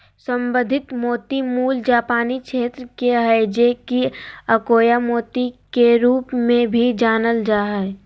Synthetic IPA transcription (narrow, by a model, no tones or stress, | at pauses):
sə̃mbə̃nd̪ʱɪt̪moːt̪imuːld͡ʒaːpaːnikʃʰeːt̪ɾəkeəd͡ʒekiɐkoːjamoːt̪ikeɾuːpmẽbʱid͡ʒaːnəld͡ʒaːɦɛ